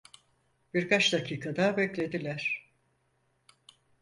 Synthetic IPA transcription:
b̥iɾkʰat͡ʃd̪acʰiːkʰad̪abɛclʲe̞d̪ilʲæɾ̥

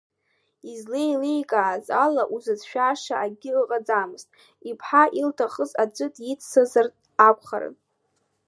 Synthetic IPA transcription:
izlejlejkʼaʕːzalaʔuzɨzʃᶣaʂaʔaɡʲɪqʼad͡zamɨztʼ | ipʰħaʔiltʰaχəzad͡ʒʷʼɨtʼjit͡sʰsɨzartʼ | akʷʰʼχa̰ɾɨ̰n

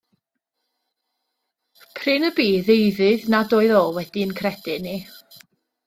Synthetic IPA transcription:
pʰrɨnəbiːðejðɨðnadoːɨðoːlˠwɛdiənkʰrɛd̥ɪni

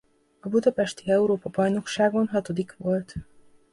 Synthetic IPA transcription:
ɒbud̪ɒpɛʃt̪iɛuɾoːpɒbɒjno̞kʃaːɡo̞nɦɒt̪o̞d̪ikʋo̞lt̪

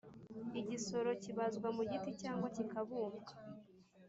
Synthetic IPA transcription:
iɟiso̞ɾo̞ciβazɡwamuɟiticaːŋɡwacikaβuːmɡa

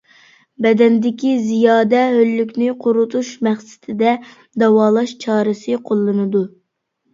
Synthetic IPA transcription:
bɛd̪ɛnd̪ɪkʲizijɑːd̪ɛɦølːykʲnɪqʰʊɾut̪ʰuʃmɛχsɪ̥t̪ʰɪd̪ɛ | d̪ɑwɑːlˠɑʃt͡ʃʰɑːɾɨsɨqʰolˠːɨnɨd̪u

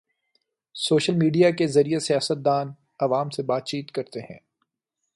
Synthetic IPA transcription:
soːʃəlmiːɖijakezɐɾijasijaːsət̪̚d̪aːn | ɐʋaːmsebaːt̪̚t͡ʃiːt̪kɐɾt̪eɦɛ̰̃ː

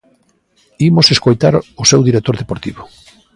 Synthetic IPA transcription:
imoseskojt̪aɾʊsewðiɾek̚t̪oɾðepoɾt̪iβʊ

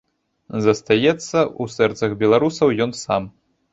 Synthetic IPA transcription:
zɐst̪ajɛt̪sːɐusɛrt̪sɐɣbʲɛlˠaɾusɐwjɔnsam

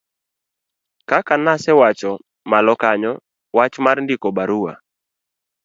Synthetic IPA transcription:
kakanasɛwat͡ʃɔ | malɔkaɲɔ | wat͡ʃmarndikɔbaɾuwa̰

